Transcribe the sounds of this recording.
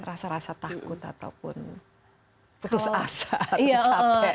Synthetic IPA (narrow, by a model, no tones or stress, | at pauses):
rasaɾasat̪akʊt̪a̰t̪a̰wpʊn | put̪ʊsasaat͡ʃɔapɛ